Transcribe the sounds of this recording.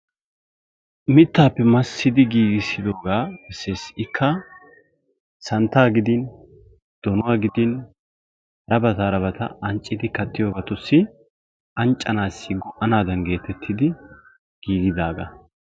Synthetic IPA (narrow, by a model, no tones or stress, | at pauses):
mɪt̪ːaːpːɛmɐsːɪd̪ɪɡiːɡɪsɪd̪o̞ːɡaːɛsːeːsɪkʰːɐ | sɐnt̪ːaːɡɪd̪ɪn | d̪̥ɔnʊwaːɡɪd̪ɪn | ɾɐbɐt̪aɾɐbɐt̪ɐ̰ɐnt͡ʃʼːɪd̪ɪkɐt̪ːɪjo̞ːɡɐt̪ʊsːɪ | ɐnt͡ʃʼːɐnaːsːɪɡɔʔɐnaːd̪ɐnɡe̞ːt̪ɛt̪ʰːɪd̪ɪ | ɡ̥iːɡɪd̪aːɡɐ̰